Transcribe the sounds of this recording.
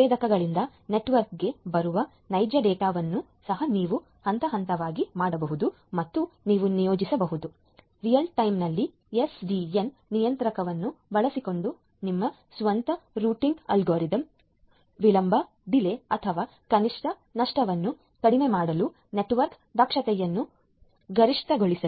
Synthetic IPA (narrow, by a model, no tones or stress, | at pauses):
eːd̪ɐkɐɡɐɭind̪ɐne̞ʈʋɐɾkɡe̞bɐɾuʋɐ | nɐjd͡ʒɐɖɛːʈaːʋɐnːu | sɐɦɐniːʋu | hɐnt̪ɐɦɐnt̪ɐʋaːɡimaːɽɐbɐɦud̪u | mɐt̪ːuniːʋunijo̞ːd͡ʒisɐbɐɦud̪u | ɾijɐlʈɐjmnɐlːi | esɖienːijɐnt̪ɾɐkɐʋɐnːubɐɭɐsiko̞ɳɖu | nimːɐ | sʋɐnt̪ɐɾuːʈiŋɡɐ̰lɡoːɾid̪ɐm | ʋilɐmbɐ | d̪ileɐt̪ʰɐʋaː | kɐniʂʈʰɐnɐʂʈɐʋɐnːu | kɐɽimemaːɽɐlu | ne̞ʈʋɐɾk | d̪ɐkʂɐt̪ɛjɐnːu | ɡɐɾiʂʈ̪ɐɡoɭisɐ